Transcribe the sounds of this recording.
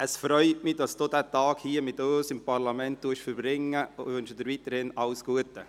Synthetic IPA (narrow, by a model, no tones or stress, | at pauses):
ʔəsfɾœʏtmɪdɑsd̥oːdæːtɑːɡ̥hiːəmɪtoːsɪmpʰɑɾlɑmɛnt̚d̥uəʃfəɾbɾɪŋːəʋʏnʃəd̪əɾʋit̪əɾhɪnɑlsɡ̥uətə